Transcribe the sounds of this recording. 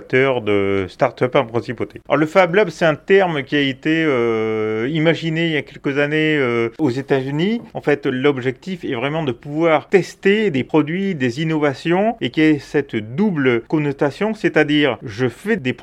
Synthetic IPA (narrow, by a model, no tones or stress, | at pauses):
k̚t̪œʁd̪əst̪aʁt̪œpɑ̃pχɛ̃sipot̪eɔ̰ʁləfablabsɛt̪ɛ̃t̪ɛʁmkʲiaet̪eø | imaʒinejakʲɛlkəzaneøozet̪azyniɑ̃fɛt̪lɔbʒɛk̚t̪ifɛvʁɛmɑ̃d̪əpuvwaʁt̪ɛst̪ed̪epχɔd̪ɥid̪ezinɔvasjɔ̃ekʲiɛsɛt̪d̪ublkɔ̃nɔt̪asjɔ̃sɛt̪ad̪iːʁʒəfɛd̪ep